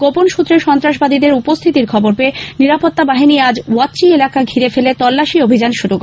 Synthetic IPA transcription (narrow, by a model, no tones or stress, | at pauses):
ɡ̥oponʃut̪ːɾeʃɔnt̪ɾaʃbad̪id̪eɾupost̪ʰit̪iɾkʰɔboɾpeniɾapot̪ːabaɦiniad͡ʑwɔtːt͡ɕielakaɡʱiɾefelet̪ɔlːaʃiobʱid͡ʑanʃuɾuk